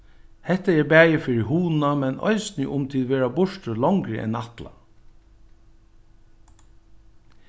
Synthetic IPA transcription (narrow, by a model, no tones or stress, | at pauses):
hɛt̪əɛːbæːjəfʏɹihuːn̩ɑmɛnʔɔ̰ʏsnɪʔʊmt̪ʰɪlʋeːɹabʊʃʈəlɔŋɡɾə̰ʔɛ̰nɑt̪lɑ̰